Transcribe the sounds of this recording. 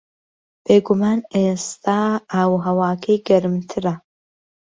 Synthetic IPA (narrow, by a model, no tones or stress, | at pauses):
b̥eːɡumaːnest̪ʰaːaːwɦɐwaːkʰɐjɡɐɾɨmt̪ʰɨɾɐ